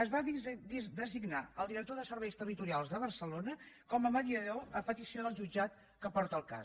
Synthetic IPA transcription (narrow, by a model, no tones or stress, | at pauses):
əzβad̪d̪əziɡnaəlˠd̪iɾək̚t̪oðəsəɾβɛjst̪ərit̪uɾialˠzðəβ̞ərsəlonəkɔməməðiəðoəpət̪isioðəlˠʒud͡ʒat̪ | kəpɔɾt̪əlˠka̰